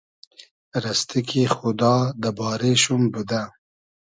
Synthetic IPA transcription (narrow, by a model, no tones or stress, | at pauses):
ɾast̪ikʰixʊd̪ɑd̪əbɑɾeʃumbud̪a